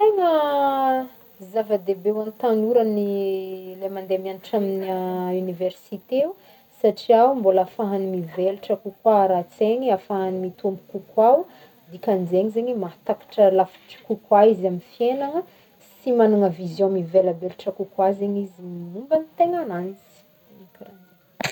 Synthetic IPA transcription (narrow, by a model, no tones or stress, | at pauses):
t̪eŋə | zavad̪ebewanit̪anuɾanilemand̪emianiʈ͡ʂaminiauniveɾsit̪eu | saʈ͡ʂiawmbolafaɦanimiveluʈ͡ʂəkukwaɾat͡seɲiafaɦanimit̪umbu̥kukwaw | d̪ikʲanzeɲizeɲimat̪akḁʈ͡ʂəlafi̥ʈ͡ʂi̥kukwaizamifienaŋə | simanuŋəvizjɔ̃miveləbeluʈ͡ʂəkukwazeɲizimimumbənit̪eŋananizi̥ | ikaɾan